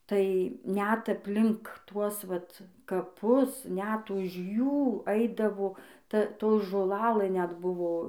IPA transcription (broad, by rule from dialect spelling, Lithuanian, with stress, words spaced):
tɐɪ nʲɛt ɐpʲˈlʲɪŋk ˈtuɔs ˈʋɐt kɐˈpʊs nʲɛt ˈʊʃ ˈjuː ˈɐɪdɐʋoː ˈtɐ ˈtoː ʒoːˈlˠɑːlˠɘ nʲɛt ˈbʊʋoː